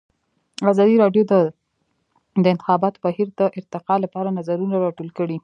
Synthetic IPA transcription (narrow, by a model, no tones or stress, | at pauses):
azɑd̪iɾɑɖjod̪ə | d̪əɪnt̪ɪ̥xɑbɑt̪o̥bahiɾd̪əʔɪɾt̪ɪqɑlapɑɾanazaɾunaɾɑʈolkəɽi